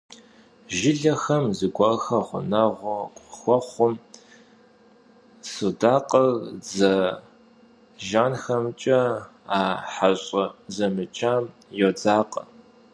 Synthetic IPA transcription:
ʒɪɮɐxɐmzɨɡʷɐrxɐʁʷʊ̰nɐʁʷʊkʷʼxʷɔχʷʊm | sudaːqʼɐɣd͡zɐ | ʒaːnxɐmt͡ʃʼɐ | aːħaɕʼɐzɐmɨt͡ʃʰʼaːm | jod͡zaːqʼɐ̰

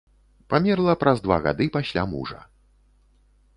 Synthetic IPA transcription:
pamʲɛrlˠɐpɾɐzd̪va̰ɣa̰d̪ɨpasʲlʲa̰mṵʐɐ̰

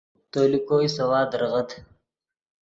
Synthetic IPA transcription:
t̪oːlikojsɐwɑːd̪ɾʁəd̪

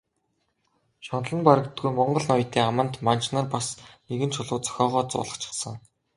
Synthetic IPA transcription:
ʃɔnɮə̆npaɾə̆kt̪ɡujmɔɴɢɞ̆ɮnɔjt̪ʰeːamə̆nt̪mant͡ɕnărpasneɣɘ̆nt͡ɕʰʊɮʊːt͡sœ̥xʲɔːʁɔːt͡sʊ̰ːɮə̆χt͡ɕʰɪ̥̆χsə̆ŋ

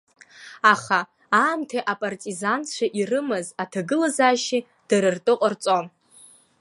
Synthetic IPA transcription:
aχa | aːmtʰaʔapʼartʼizant͡ɕʷʰaʔirɨmɨzatʰaɡɨlazaːʃi | d̥aɾɨrtʼɨqʼərt͡sʼon

